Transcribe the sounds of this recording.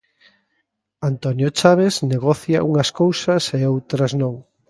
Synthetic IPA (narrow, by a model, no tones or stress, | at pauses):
ant̪onjot͡ʃaβ̞ezneɣ̞ɔθjɐ̰ʔuŋɐskowsɐseowt̪ɾɐznõŋ